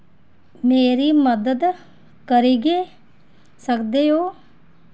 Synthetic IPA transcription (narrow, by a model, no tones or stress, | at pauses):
meːɾiːməd̪əd̪ | kəɾiːɡeː | səkd̪eːɦoː